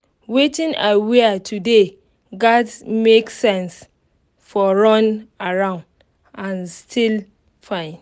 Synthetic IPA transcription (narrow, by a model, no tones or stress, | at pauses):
wetĩna̰ɪwiatʰude | ɡadmeksɛ̃ns | fɔɹɔ̃naɹãʊ̃nd | ãnstʰil | fãɪ̃n